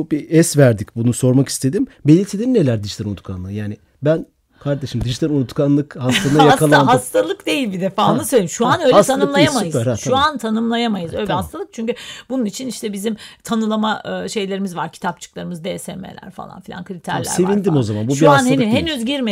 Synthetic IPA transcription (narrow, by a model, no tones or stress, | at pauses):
biʔɛsvæɾd̪icbunuso̞ɾmaki̥st̪ʰe̞d̪im | belʲilʲt̪ʰid̪innelʲæɾd̪iʒt̪ʰʲæɾunut̪kʰa̰nlˠɯjaːnɪ | bæn | kʰaɾd̪eʃɯmd̪iʒi̥t̪ʰaɾunut̪kʰanlˠɯkhast̪anajakʰalˠanhast̪ʰalˠɯkd̪e̞jilʲbid̪efaːunɯsøjʲlʲejimʃuanølɛt̪ʰanɯɯmlˠaajamajɯzɾaʃuant̪ʰanɯmlˠajamajɯzøjʲlʲɛhast̪ʰalˠɯk̚t͡ʃʰyɲcybununit͡ʃʰiniʃt̪ʰɛbizimt̪ʰanɯlˠamaɯʃe̞jlʲe̞ɾimizvaɾcʰi̥t̪ʰap̚t͡ʃʰɯ̥klˠaɾɯmɯzd̪eːsḛmḛlʲæ̰ɾfa̰lˠa̰nfilʲa̰nkʰɯɾit̪ʰæɾlʲæ̰sɾevinnd̪imo̞zamanbuʃiuanhenihenyzɟiɾme